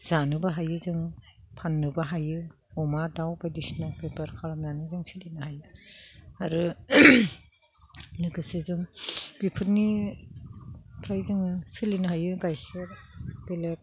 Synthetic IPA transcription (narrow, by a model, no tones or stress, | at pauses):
z̥anɯbaɦajɯzɯŋ | pʰanːɯbaɦajɯ | ɔmadawbajdisinabebaɾkʰalamzanizɯŋsilinahajɯ | aɾɯ | nɯɡɯsizɯŋb̥ipʰɯɾni | pʰɾajzɯŋɯsɯlinɯɦajɯɡajkʰɯɾbelet̚